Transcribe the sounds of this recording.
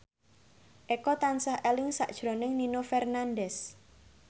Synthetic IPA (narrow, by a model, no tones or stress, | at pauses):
ʔekɔt̪ansahelɪŋsa̰ʔd̥ʒ̥ɾonɪŋninofɛrnandɛs